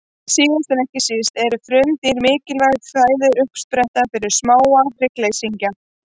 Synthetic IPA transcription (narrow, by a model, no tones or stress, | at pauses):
siːðanst̪ɪnɛhcɪsɪst̪ɛɾʏfɾʏmt̪iɾmɪːcɪlvajðθaːjðʏɾʏhpspɾɛht̪afɪɾɪɾ̥smaːwaɾɪkleːjsiɲca